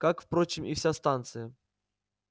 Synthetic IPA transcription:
kakfpɾot͡ɕɪmifsʲast̪ant̪sɨjə

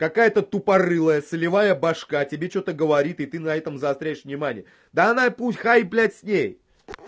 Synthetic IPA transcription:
kɐkajət̪ət̪ʊpɐrɨlˠəjəsəlʲɪvajəbɐʂkatʲɪbʲet͡ɕot̪əɡəvɐɾʲit̪ɨt̪ɨnɐɛt̪əmzɐst̪ɾʲejɪʂvnʲɪmanʲɪ̰jə | d̪əɐnaputʲxajplʲætʲsʲnʲej

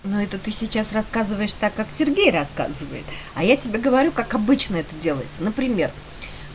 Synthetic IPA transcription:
nuɛt̪ət̪ɨsʲɪt͡ɕasrɐskazɨvəjɪʂt̪akːaksʲɪrɡʲejrɐska̰zɨvəjɪ̰t̪ | ɐjatʲɪbʲeɡəvɐɾʲukakɐbɨt͡ɕnəɛt̪ədʲe̞lˠə̰jɪt̪sənəpɾʲɪmʲe̞r

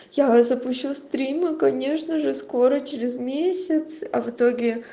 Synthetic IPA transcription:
jazəpʊɕːust̪ɾʲimɨkɐnʲe̞ʂnəʐɨsko̞ɾət͡ɕɪɾʲɪzmʲesʲɪt̪sɐ̰vɨt̪o̞ɡʲɪ

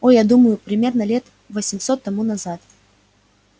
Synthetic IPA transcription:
ojad̪uməjʊpɾʲɪmʲe̞rnəlʲe̞t̪ | vəsʲɪmso̞t̪ːɐmunɐzat̪

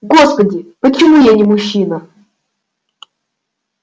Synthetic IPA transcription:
ɡospədʲɪpət͡ɕɪmujanʲɪmʊɕːinə

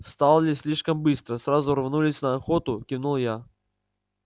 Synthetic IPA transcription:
st̪alˠlʲɪsʲlʲiʂkəmbɨst̪ɾəsrazʊrvnulʲɪsʲnəːxot̪ʊkʲɪnulˠja

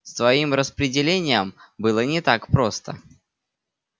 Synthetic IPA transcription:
st̪vɐimrəspɾʲɪdʲɪlʲenʲɪjəmbɨlˠənʲɪt̪akpɾo̞st̪ə̰

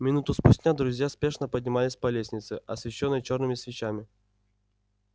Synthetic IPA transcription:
mʲɪnut̪ʊspʊsʲtʲnʲad̪ɾʊzʲjaspʲe̞ʂnəpədʲnʲɪmalʲɪsʲpɐlʲesʲnʲɪt̪sɨʔɐsvʲɪɕːonːəjt͡ɕo̞rnɨmʲɪsvʲɪt͡ɕamʲɪ

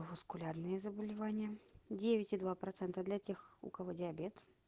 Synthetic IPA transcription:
vʊskʊlʲarnɨjəzəbəlʲɪvanʲɪjədʲevʲɪtʲɪd̪vapɾɐt̪sɛnt̪əd̪lʲɐtʲexʊ̰kɐvodʲɪɐbʲet̪

